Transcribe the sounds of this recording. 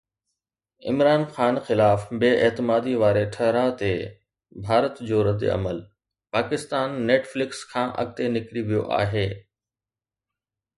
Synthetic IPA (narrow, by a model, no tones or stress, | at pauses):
ɪ̰mɾaːnxaːnxɪlaːfbeːʔeːt̪ɪmaːd̪iʋaːɾeʈʰɐɦɾat̪e | bʱaːɾət̪d͡ʑoːɾɐd̪ḛɐ̰məl | paːkɪst̪aːnːeːʈflɪkskʰãːʔɐ̰ɡ̚t̪enɪkɾiʋijo̰ʔa̰ːɦeː